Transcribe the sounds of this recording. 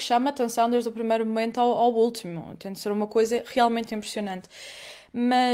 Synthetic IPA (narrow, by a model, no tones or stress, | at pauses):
ʃamɐat̪ẽsɐ̃w̃d̪eʒd̪upɾimɐjɾumumẽnt̪uawawulˠt̪imṵt̪ẽnd̪seɾumɐkojzɐʁialˠmẽnt̪ĩmpɾɨsiunɐ̃nt̪ | mɐ